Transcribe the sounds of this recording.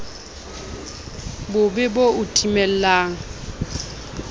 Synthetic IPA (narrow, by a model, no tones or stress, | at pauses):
bʊbɪboʊtʼimɛl̩laːŋ̩